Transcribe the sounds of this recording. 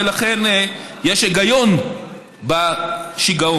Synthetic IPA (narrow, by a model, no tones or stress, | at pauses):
elaχenjeʃeɡajo̞n | baʃiɡao